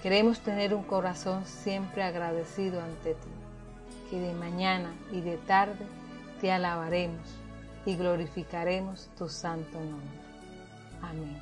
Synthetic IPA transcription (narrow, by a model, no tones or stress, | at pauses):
ke̞ɾe̞mo̞st̪e̞ne̞ɾuŋko̞ɾaso̞nsje̞mpɾeaɣɾaðe̞siðoant̪e̞t̪i | keðe̞mãɲana | iðe̞t̪aɾðe̞ | t̪ealaβaɾe̞mos | iɣlo̞ɾifikaɾe̞mo̞st̪usant̪onõmbɾe | amẽn